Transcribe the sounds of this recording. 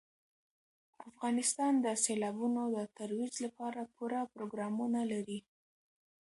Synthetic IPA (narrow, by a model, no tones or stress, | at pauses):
afɣɑnɪst̪ɑnd̪əselɑbunod̪ət̪aɾwid͡ʒlapɑɾapuɾapɾoɡɾɑmunalaɾi